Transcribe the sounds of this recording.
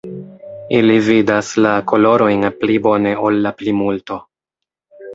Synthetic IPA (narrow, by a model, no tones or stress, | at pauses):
ilividaslakʰo̞lo̞ɾo̞jnplibo̞ne̞o̞lːaplimulto̞